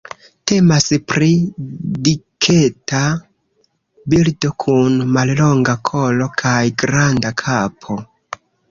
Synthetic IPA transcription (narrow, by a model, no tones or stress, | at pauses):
te̞maspɾidikʰe̞ta | bildo̞kʰunmallo̞ŋɡakʰo̞lo̞kʰajɡɾandakʰapʰo̞